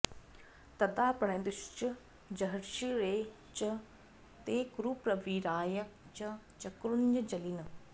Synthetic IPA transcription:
t̪ɐd̪aːpɐɽẽːnd̪uʃt͡ʃə | d͡ʒɐɦɐɾʃiːɾeː | t͡ʃɐ | t̪eːkɾuːpɾɐʋiːɾaːjɐt͡ʃɐ | t͡ʃɐkɾund͡ʒɐd͡ʒɐliːnɐ

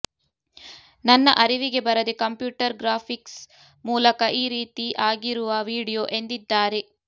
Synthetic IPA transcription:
nɐnːɐ̰ʔɐɾiʋiɡe̞bɐɾɐd̪ekɐmpjuːʈɐɾɡɾaːpʰiks | muːlɐkɐʔiːɾiːt̪iʔaːɡiɾuʋɐʋiːɽijo̞ːʔe̞nd̪id̪ːaːɾe

